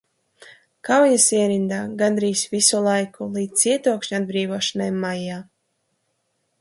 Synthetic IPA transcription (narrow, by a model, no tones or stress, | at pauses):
kawjasiɛɾind̪aːɡand̪ɾiːsvisulˠajkulˠiːd̪siɛt̪uɔkʃɲuad̪̚bɾiːvɔɔʃanajmːajaː